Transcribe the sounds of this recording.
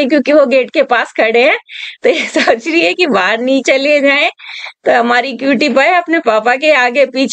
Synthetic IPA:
kjõːkiʋoɡeːʈkepaːskʰɐɽeɦɛ̃ːt̪ojesoːt͡ʃɾiɦɛkibaːɾnĩt͡ʃɐlied͡ʒaːẽt̪oɦɐmaːɾikjuːʈipəɐpnepaːpakeaːɡepiːt͡ʃʰ

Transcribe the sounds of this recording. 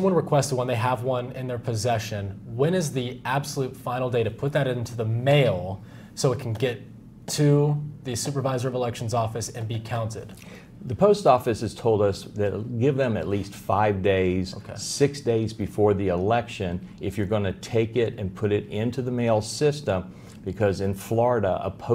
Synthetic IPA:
sʌ̃mwʌ̃nɹɨkʰw̥ɛstʰwʌ̃nðeɪəvwʌ̃nɪ̃nðə˞pʰɨzɛʃɨ̃nwɨ̃nɨzðiʔæb̥səlʉtfãɪ̃nl̩ˠdeɪɾɨpʰʊt̪̚ðɨɾɪ̃ntʰʉðəmeɪlˠ | soʊət̚kʰn̩ɡɛtʰ | ʉðɨsʉpə˞vaɪzə˞ʌvəlɛkʃn̩zɔfɨsɨ̃nbikʰãʊ̃ntɪ̰d̥ | ðɨpʰoʊstɔfɨsɨz̥tʰoʊlˠdʌsðɨtɡɪvðɨ̃mɨtˡlistfaɪvdeɪz̥sɪksd̥eɪzbɨfɔɹðiəlɛkʃɨ̃n | ʔɨfjə˞ɡʌnɨtʰeɪkɪɾɨ̃npʰʊɾɪɾɪ̃ntʰʉðɨmeɪlˠsɪstə̃m | b̥ɨkʰʌzɨ̃nflɔɹɨɾəʔə̰pʰoʊ

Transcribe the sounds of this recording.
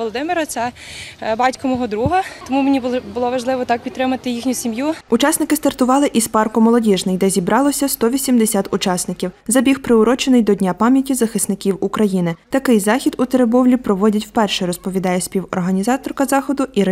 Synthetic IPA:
ɔlˠɔd̪ɪmɪɾɐt̪sɛbɑtʲkɔmɔɦɔd̪ɾuɦɐt̪ɔmumenʲibˠbʊlˠɔʋɐʒlˠɪʋɔt̪ɑk̚pʲit̪ːɾɪmɐt̪ɪjixnʲʊsʲimjuʊt͡ʃɑsnɪkɪst̪ɐrt̪ʊʋɑlˠɪʔispɑrkʊmɔlˠɔdʲiʒnɪjd̪ɛzʲibɾʔɑlˠɔsʲɐst̪ɔʋʲisʲimd̪esʲat̪ʊt͡ʃɑsnɪkʲiwzɐbʲixpɾɪʊɾɔt͡ʃɪnɪjd̪ɔdʲnʲapɑmʲjɐtʲizɐxɪsnɪkʲiwukɾɐjinɪt̪ɐkɪjzɑxʲid̪ut̪eɾebɔwlʲipɾɔʋɔdʲɐtʲw̥pɛrʃɛɾɔspɔʋʲid̪ɑjɛsʲpʲiwɔ̰rɦɐnʲizɑt̪ɔrkɐzɑxɔd̪ʊʔiɾ

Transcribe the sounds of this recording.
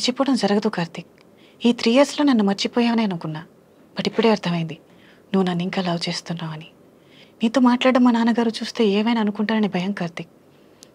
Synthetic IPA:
t͡ʃipːɔːɽɐmd͡ʒɐɾɐɡɐd̪ukaːɾt̪ik̚ | iːt̪ɾiːjɐɾsloːnɐnːumɐɾt͡ʃipɔːjaːneːɐnukunːaː | b̥ɐʈipːuɽe̞ːɐɾt̪ʰɐmɐjind̪i | nuʋːunɐnːiŋkaːlɐːʋt͡ʃe̞ːst̪unːaːmɐni | niːt̪o̞ːmaːʈlaːɽɐmːaːnaːnɐɡaːɾut͡ʃuːst̪e̞ːeːmɐjnaːnukuɳʈaːɾɐnibʱɐjɐmkaːɾt̪ik̚

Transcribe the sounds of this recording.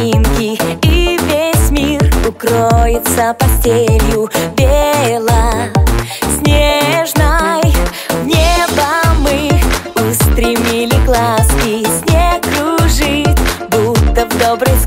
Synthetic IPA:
inkʲiivʲesʲmʲirʊkɾojɪt̪səpɐsʲtʲelʲjʊbʲelˠə | sʲnʲeʐnaj | vnʲebɐmɨʊst̪ɾʲimʲilʲɪɡlˠaskʲɪsʲnʲekɾuʐɨtʲbut̪ːəvd̪obɾɨjs

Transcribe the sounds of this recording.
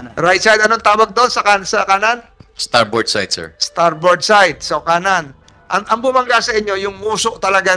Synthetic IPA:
ɾaj̪̚t͡ʃajd̪ɐnont̪aːwɐɡ̚d̪oonsɐkansɐkaːnanst̪aɹbɔd̪sa̰jt̪sɛ̰ɹst̪aɹboɹd̪̚sajt̪̚sokaːnan | ʔɐŋʔɐŋbʊmɐŋɡasɐʔɪɲːo̞jʊŋmuːsoʔt̪ɐlɐɡa

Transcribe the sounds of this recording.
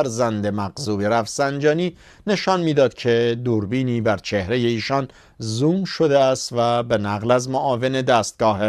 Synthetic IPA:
ɾzænd̪e̞mæɣzuːbeɾæfsænd͡ʒɒːniː | ne̞ʃɒnmiːd̪ɒːd̪̥cʰe̞d̪uːɾbiːniːbæɾt͡ʃʰe̞hɾe̞je̞iːʃɒn | zuːmʃo̞d̪eæst̪væbe̞næɣlæzmoʔɒːve̞ne̞d̪æːst̪̚ɡ̥ɒːɦe

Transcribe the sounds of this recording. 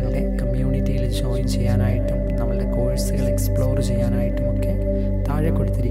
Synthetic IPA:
ŋːɐɽekɐmjuːnitːijild͡ʑoːjmt͡ɕe̞jːaːnaːjiʈːumnɐmːɐɭeko̞ːɻɐsɨɣɐɭe̞kspɭo̞ːrt͡ɕejːaːnaːjiʈːumokːe | t̪aːɻɐkːoɽut̪ːiɾik

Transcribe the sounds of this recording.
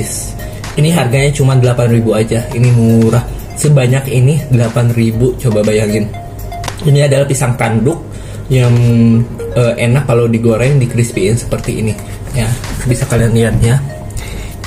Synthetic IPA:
s | iniɦarɡaɲat͡ʃumandəlapanribuad͡ʒainimuɾah | səbaɲakinidəlapanribut͡ʃobabajaŋɪn | inadalahpisaŋkandʊk̚ | jaŋ | əʔenakːaladiɡoɾɛŋdikɾɪspiːnsə̥pərt̪iḭni | jabisakalianlianɲa

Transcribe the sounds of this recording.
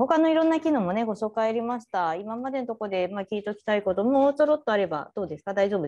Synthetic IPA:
ho̞kano̞iɾõ̞nːakʲino̞mo̞ne̞ɡo̞ɕo̞ːkaeɾʲimaɕi̥t̪aimamad̪e̞not̪oko̞d̪e̞makʲiːt̪o̞kʲi̥t̪aiko̞t̪o̞mosoɾo̞t̪ːo̞aɾe̞ba̰d̪̥o̞ːd̪e̞sɨ̥kad̪aiʑo̞ːbɯ̟

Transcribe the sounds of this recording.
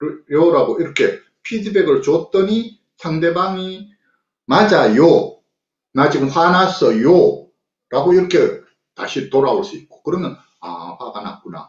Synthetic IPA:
joɾaɡoiɾʌkʰe̞ | pʰid͡ʑibeɡɯɭt͡ɕot͈ʌɲi | sʰaŋde̞baŋi | mad͡ʑajo | nad͡ʑiɡɯmɸwanasʌjo | ɾaɡoiɾʌkʰe̞ | taɕʰit̪oɾaoɭs͈uik̚k͈o̥kɯɾʌmjʌn | a̰ɸaɡana̰k͈̚una̰

